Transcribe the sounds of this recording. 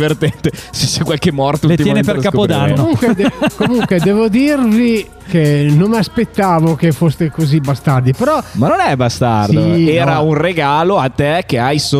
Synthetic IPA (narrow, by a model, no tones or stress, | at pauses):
vert̪ɛnt̪eset͡ʃːɛkːwalkemːɔrt̪outt̪imjɛːmnepeɾskakpod̪anoouŋkwed̪ɛkomuŋkwed̪ɛvod̪irvi | kenommiaspet̪ːaːvok̟efost̪ekozibast̪ad̪ipeɾɔmanːonɛbast̪ard̪ioɛːɾaunreɡaːloat̪ːekeajso